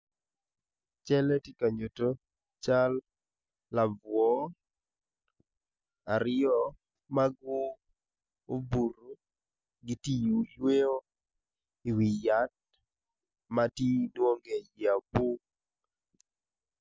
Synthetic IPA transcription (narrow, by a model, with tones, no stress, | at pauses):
t͡ʃɛ˦lɛ˦ti˦ka˨ɲo˨to˦ | t͡ʃa˦lː | a˨vwɔ˦ | a˨ɾɪɔ˦ | ma˦ɡʊ˦ | o˦bu˨ɾo˨ | ɡɪ˦ti˦ju˨jwe˦o˦ | ɪ˨wi˨ja˨˦t̚ | ma˦ti˦dwo˦ŋɡe˨ja˨bu˦